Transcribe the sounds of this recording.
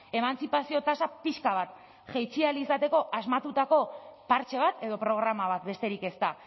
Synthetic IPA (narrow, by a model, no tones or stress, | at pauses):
e̞manst͡sipasio̞t̪asapiʃkaβ̞at̪ | ʝejt͡sialisat̪e̞ko̞ʔazmat̪ut̪ako̞paɾt͡ʃe̞β̞at̪e̞ðo̞pɾo̞ɣ̞ɾamaβ̞at̪̚be̞st̪e̞ɾike̞st̪a